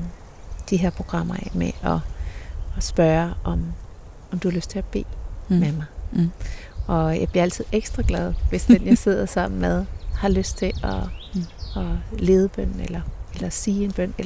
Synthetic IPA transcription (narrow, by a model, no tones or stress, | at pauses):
d̥iɦeɐ̰pʰʁo̝ɡ̥ʁɑ̈m̰ɐmeʔɒ̽ | sb̥ɶːɐʔɒ̽m | ɒ̽md̥uhɑ̈løsd̥t͡sʰe̝æb̥e̝̰ːmemɑ̈ɪ | ʔɒ̽jɑ̰b̥liɐæl̰t͡sʰið̞̰ˠeɡ̥sd̥ʁɑɡ̥lɛð̞ˠʋe̝sd̥enjɑse̝ð̞̰ˠɐsɑ̈m̰n̩með̞ˠhɑ̈løsd̥̚t͡sʰe̝ɒ | ɒle̝ːð̞ˠəb̥œn̰n̩elɐelɐsiːe̝nb̥œn̰elɐ